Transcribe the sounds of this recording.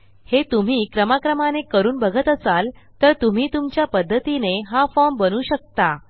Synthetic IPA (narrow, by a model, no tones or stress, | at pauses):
het̪um̤iːkɾəmakɾəmanekəɾuːnbəɡʱət̪əsal | t̪əɾt̪um̤iːt̪umt͡ɕjapəd̪ʱːət̪ineɦafɔmbənuːɕək̚t̪a